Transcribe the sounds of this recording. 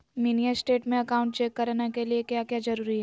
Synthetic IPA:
minijasʈeːʈmẽɐkaːʊ̃ɳʈt͡ʃeːkːɐɾnakeliekjaːkjaːd͡ʒɐɾuːɾiɦɛ

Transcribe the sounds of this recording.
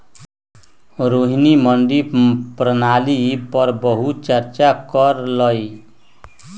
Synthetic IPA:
ɾoɦinimʌnɖipɾənalipʌɾbʌɦut͡ʃʌɾt͡ʃakʌɾlʌj

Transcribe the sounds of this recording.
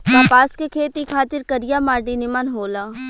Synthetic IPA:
taːpaːskekʰeːt̪ikʰaːt̪ɪɾkɐɾɪjamaːɾɖinɪmanɦoːlaː

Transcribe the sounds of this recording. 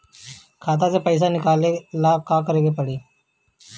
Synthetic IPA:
kʰaːt̪̬ãːseːpəɪːs̬aːnɪkaːleːlaːkãːkəɾeːɡeːpəɽiː

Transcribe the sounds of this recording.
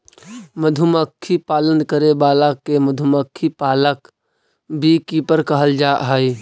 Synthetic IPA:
məd̪ʱuməkʰːipaːlə̃nd̪̚kəɾebaːlakːemɐd̪ʱuməkʰːipaːlək | bʱikiːpəɾkəɦəld͡ʒaːʔɦaːiː

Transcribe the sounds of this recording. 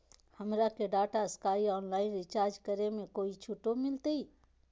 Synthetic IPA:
həmɾakeɖaːʈaskaːiɔːnlaːɪnɾɪt͡ʃaːɾd͡ʒkəɾemẽkoːit͡ʃʰʊʈomɪlt̪ii

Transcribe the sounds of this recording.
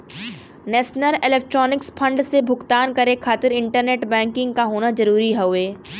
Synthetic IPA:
nɛːʃnəlɪleːk̚ʈɾɔːnɪkspʰɐ̃ɳɖsebʱʊkt̪aːnkɐɾekʰːaːt̪ɪɾɪ̃ɳʈəɾneːʈbɛ̃ːŋkɪ̃ŋɡkaɦoːnazɐɾuːɾiɦɛeː

